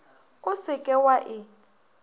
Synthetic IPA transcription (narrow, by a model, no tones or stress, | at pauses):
ʊsɪkʼɛwaʔɪ